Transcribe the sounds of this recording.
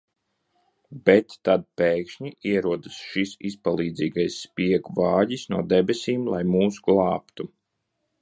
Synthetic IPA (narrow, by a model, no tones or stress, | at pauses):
bɛt̪ːad̪̚peːkʃɲiʔiɛɾuɔd̪ɨsʃisispalˠiːd̪ziːɡajsːpiɛɡvaːʎisnuɔd̪ɛbesʲiːmlˠajmuːsɡlˠɑːpt̪u